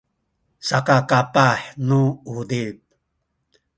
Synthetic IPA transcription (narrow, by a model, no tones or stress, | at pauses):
sakakapaħnuud̪ip̚